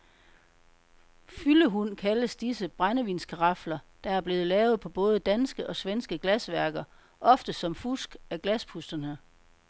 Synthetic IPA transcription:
fyləɦunkʰæləsd̥isəb̥ʁɑnəʋiːnskʰɑʁɑ̈flɐd̥ɑ̈æɐb̥le̝ːð̩ˠlɛːʊð̞̩ˠpʰɒ̽b̥ɔ̽ːð̞ˠəd̥ænsɡ̥əʔɒ̽sʋensɡ̥əɡ̥læsʋæɐɡ̥ɐ | ʔɒ̽fd̥əsɒ̽mfusɡ̥æɡ̥læspʰusd̥ɐnə

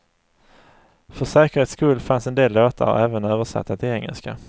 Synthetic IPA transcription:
fœʂɛːkəɾheːt̪skɵlfansɛnd̪eːlːoːt̪ʰə̰ɾɔ̰ɛːvənøːvəʂa̰t̪ʰːat̪ʰɪɛŋːɛ̰lska̰

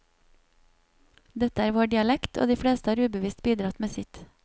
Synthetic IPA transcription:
d̪ɛt̪əæːɾʋɑːɖɪɑlɛkt̪ʰo̰ːd̪iːfɽeːst̪əɑːɾʉːbəʋiːst̪biːd̪ɾɑt̪meːsɪt̪

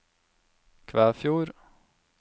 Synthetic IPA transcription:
kʰʋæːfjuːɾ

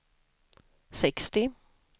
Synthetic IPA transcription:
sɛkst̪ɪ

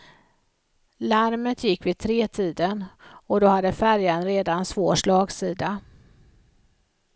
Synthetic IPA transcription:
laɾmət̪ʰjɪkːvɪd̪̚t̪ʰɾeːt̪ʰiːd̪ənɔd̪ɔhad̪ːəfæɾjanɾeːd̪ansvoːʂɭɑːɡsiːd̪a

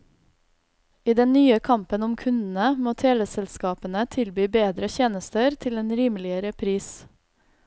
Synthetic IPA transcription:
iːd̪ɛnnyːəkʰɑmpənʊmkʰʉnd̪n̩əmoːt̪ʰeːʋ̪ɛsɛlskɑːpənət̪ʰɪlbyːbeːd̪ɾəçeːnəst̪əɾt̪ʰɪleːnɾiːmlɪəɾəpʰɾiːs

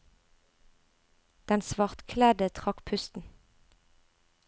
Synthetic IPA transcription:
d̪̥ɛnsʋɑʁt̪kʰlɛd̪ət̪ʰʁɑkpʰʉst̪n̩

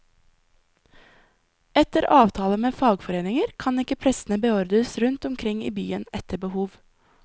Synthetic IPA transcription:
ɛt̪əɾʔɑːʋt̪ʰɑːləmeːfɑːɡfɔɾeːnɪŋəɾkʰɑnɪkəpʰɾɛsn̩əbəɔɾd̪əsɾʉnt̪ɔmkʰɾɪŋḭːbyːənɛt̪əbəhuːʋ

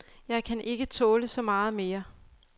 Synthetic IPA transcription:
jɑ̈ɪkʰænʔe̝ɡ̥ət͡sʰɔ̽ːləsɒ̽mɑ̈ːð̞̩ˠme̝ːɐ

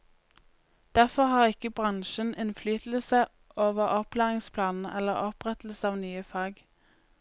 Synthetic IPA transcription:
d̪̥æʁfɔʁhɑːʁɪkəbʁɑŋʃənʔɪnflyːt̪l̩sə | ʔoːʋəʁɔplæːʁɪŋspʰlɑːnn̩ʔɛlːəʁɔpʁɛt̪l̩sɑːʋnyːəfɑːɡ

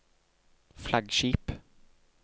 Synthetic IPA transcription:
flaɡɕiːp

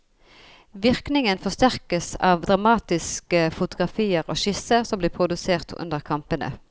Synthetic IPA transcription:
ʋɪʁknɪŋənfɔst̪æʁkəsɑ̰ːʋd̪ʁɑmɑːt̪ɪskəfʊt̪ʊɡʁɑfiːəʁo̰ːʃɪsəʁsɔmbliːpʰʁʊd̪ʉseːʁt̪ʰʉ̰nd̪əʁkʰɑmpənʔə̰

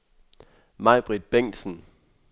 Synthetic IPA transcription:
mɑ̈ɪb̥ʁid̥̚b̥eŋ̰d̥sən̩

